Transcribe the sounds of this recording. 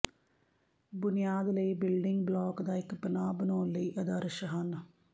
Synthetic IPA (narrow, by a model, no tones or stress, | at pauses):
bʊnɪjaːd̪ləiːbɪlɖɪŋɡblɔːkd̪aːɪkbənaːbənoːnləiːʔəd̪əɾəʃɦən